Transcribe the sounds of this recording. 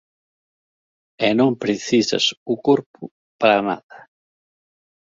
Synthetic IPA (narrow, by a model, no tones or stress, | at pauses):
ɛnõmpɾeθisɐ̰sukoɾpu | paɾana̰ðɐ